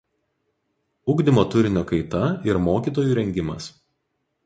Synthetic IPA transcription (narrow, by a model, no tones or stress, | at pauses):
ʊɡd̪ʲɪmoːt̪ʊɾʲɪnʲoːkɐɪt̪ɐɪɾmoːkʲiːˑt̪oːjuːɾʲɛŋʲɡʲɪmɐ̰s